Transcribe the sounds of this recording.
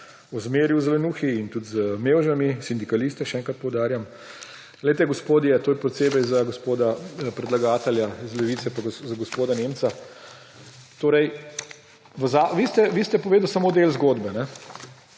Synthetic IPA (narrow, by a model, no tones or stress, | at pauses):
uzmeːɾjuzlɛnuːxiːnt̪ut̪zmewʒamisind̪ikalist̪ɛʃɛɛːŋkɾat̪̚pɔwd̪aːɾjam | lɛjt̪ɛɡospoːd̪jɛt̪oːjɛpɾɛt̪seːbɛjzaɡospoːd̪apɾɛd̪laɡaːt̪ɛljaizlɛʋiːt̪sɛpaɡzaɡospoːd̪anemt̪sa | t̪oːɾɛj | ʋəzaʋist̪ɛʋist̪ɛpɔʋeːd̪əwsamoːd̪elzɡoːd̪bɛnɛ